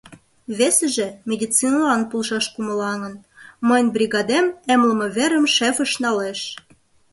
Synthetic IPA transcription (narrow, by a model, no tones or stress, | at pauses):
βesə̆ʒĕmʲed̪ʲit͡sinɑlɑnpulʃɑʃkumə̆lɑŋə̆nməjnʲbɾʲiɣɑd̪ememlə̆mə̆βeɾə̆mʃefə̆ʃnɑleʃ